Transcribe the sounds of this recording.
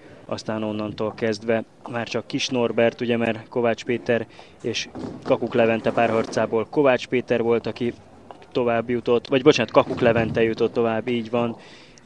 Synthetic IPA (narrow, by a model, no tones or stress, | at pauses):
ɒ̰st̪aːno̞nːɒnt̪oːlkɛzd̪ʋɛ | maːrt͡ʃɒkːiʃno̞rbɛrt̪uɟɛmɛrko̞vaːt͡ʃpeːt̪ɛɾ | eːʃkɒkuklɛvɛnt̪ɛpaːrhɒrt̪saːboːlko̞vaːt͡ʃpeːt̪ɛrvo̞lt̪ɒki | t̪o̞vaːbːjut̪o̞t̪ːvɒɟbo̞t͡ʃaːnt̪̚kɒkuklɛvɛnt̪ɛjut̪o̞t̪ːo̞vaːbːiːɟʋɒn